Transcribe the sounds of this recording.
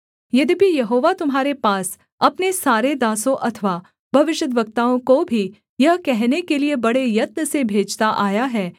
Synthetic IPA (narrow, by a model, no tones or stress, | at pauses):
jɐd̪ibʱijɐɦoːʋat̪ʊmɦaːɾepaːs | ɐpnesaːɾed̪aːsõʔɐt̪ʰʋaː | bʱɐʋɪʃəd̪ʋɐk̚t̪aːõkobʱi | jɐɦkɛɦnekeliebɐɽejɐt̪̚nəsebʱeːd͡ʒt̪aʔaːjaɦɛː